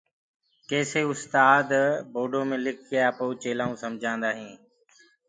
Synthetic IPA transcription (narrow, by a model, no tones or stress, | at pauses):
keːseːʊst̪aːd̪boːɖoːmẽːlɪk̚ʰkɪjaːpoːt͡ʃeːlaːũːsəmd͡ʒʱãːnd̪aːɦĩː